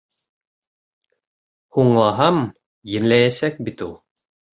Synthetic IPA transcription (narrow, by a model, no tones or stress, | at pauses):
huɴlˠɑɦɑm | jɘ̆nlæjæsæk̚bit̪ulˠ